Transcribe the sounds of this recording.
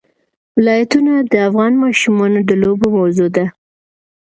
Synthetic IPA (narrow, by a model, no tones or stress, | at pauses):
wɪlɑjat̪unad̪əafɣɑnmɑʃumɑnod̪əlobomawzod̪a